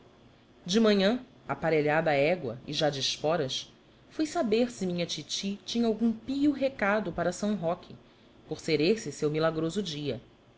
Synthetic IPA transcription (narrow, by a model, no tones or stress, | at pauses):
d͡ʒɪmɐ̃ɲɐ̃ | apaɾeʎad̪ɐːɛɡwɐ̰ɪʒad͡ʒɪʃpɔɾɐʃ | fujsabeɾsɪmĩɲɐt͡ʃit͡ʃit͡ʃĩɲɐawɡũpijʊɦekad̪ʊpaɾɐsɐ̃w̃ɦɔkʰɪ | poɾseɾeɾsɪsewmilaɡɾozʊd͡ʒiɐ